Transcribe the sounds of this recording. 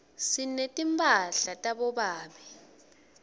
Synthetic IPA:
sinetʼimpʰʼaɬatʼaɓɔɓaːmi

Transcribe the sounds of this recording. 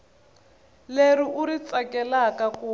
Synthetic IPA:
leɾiʔuɾit͡sakɛlakaku

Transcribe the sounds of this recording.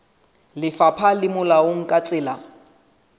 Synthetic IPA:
lɪfapʰalɪmʊlaʊŋ̩kʼat͡sʼɪːla

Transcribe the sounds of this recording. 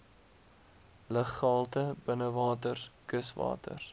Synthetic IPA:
ləχɑlˠtəbənəvɑːtərkəsvɑ̰ːtə̰r

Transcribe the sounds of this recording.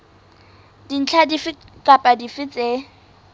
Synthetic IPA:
din̩t͡ɬʰadifɪ | kʼapʼadifɪt͡sʼe

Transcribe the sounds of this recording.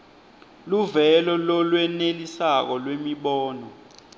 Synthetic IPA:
luvɛlɔlɔlwɛnelisak̬ɔlwemiɓɔːnɔ

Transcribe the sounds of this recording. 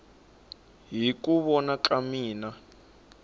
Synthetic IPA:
ɦikuβɔnakamiːna

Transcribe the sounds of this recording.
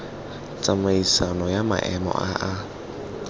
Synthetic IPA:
t͡samaisanɔjama̰ʔɛmɔ̰ʔaʔa

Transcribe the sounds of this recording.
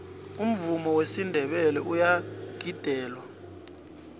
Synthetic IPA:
um̩vumɔwesindʱɛɓɛlɛʔujaɡ̥ʱid̥ʱɛːlwa

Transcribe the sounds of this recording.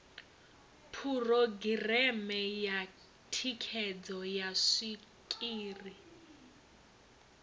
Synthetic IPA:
pʰurɔɡirɛmɛja | tʰikʰɛd͡zɔjaʂi | kʼiːri

